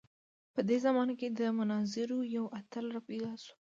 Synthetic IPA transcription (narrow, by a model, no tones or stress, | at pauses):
pəd̪ezamɑnaked̪əmʊnɑzɪɾojawʔat̪alɾapiɡɑsu̥